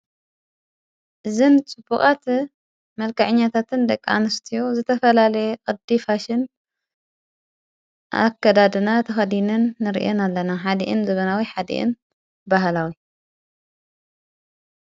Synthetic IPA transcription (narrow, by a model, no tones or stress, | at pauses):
ʔɨzɨnt͡sʼɨb̥ːuχʼat̪ | mɐlkɐʕɨɲːat̪ʰat̪ɨnd̪ɐkʼːa̰nɨst̪ʰijozɨt̪ʰɐfɐlalɐjekʼɨd̪ifaʃɪn | ʔa̰kːɐd̪ad̪ɨnat̪ʰɐxɐd̪inɨnːɨɾiʔonalːɐnaħad̪ḭʔɨnzɐβɐnawiħad̪ḭʔɨ̰n | baɦlawi